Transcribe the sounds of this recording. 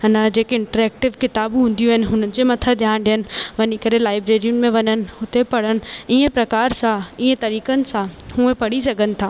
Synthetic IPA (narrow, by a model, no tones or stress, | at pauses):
nɐd͡ʑeːkɪ̃ɳʈəɾɛːk̚ʈɪʋkɪt̪aːbɦũːn̆d̪ijuɦɪnɪ̆ɦʊn̤ənɪ̆d͡ʑemɐt̪ʰəd̪ʱjaːnɖɪjənɪ̆ʋɐɲikɐɾelaːɪbɾeːɾijʊn̆mẽʋɐɲənɪ̆ɦʊt̪ʰepɐɽ̤əñɪ̆iẽpɾɐkaːɾsãiːẽt̪ɐɾiːkənɪ̆sãhũːẽpɐɽisɐɡʱənɪ̆t̪ʰaː